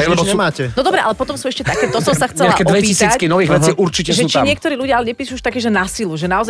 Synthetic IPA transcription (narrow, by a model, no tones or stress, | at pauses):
ɛmaːcɛnɔd̪ɔbɾɛʔa̰lɛpɔt̪ɔmsuːɛʃcɛt̪akɛːt̪ɔsɔmsaxt͡sɛlɛakɛdɔʋɛpicisiːat͡skinɔʋiːɣʋɛijʔuɾt͡ʃicɛʒɛt͡ʃɲɪɛk̚t̪ɔɾiːluɟɪaalɛɲɛpiːʃuuʃt̪akɛːʒɛnasiluʒɛnaɔza